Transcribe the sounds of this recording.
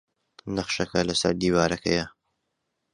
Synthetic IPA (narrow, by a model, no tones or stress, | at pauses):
nɐχʃɐkɐlɐsɐ̰ɾd̪iːwaːɾɐkʰɐ̰jɐ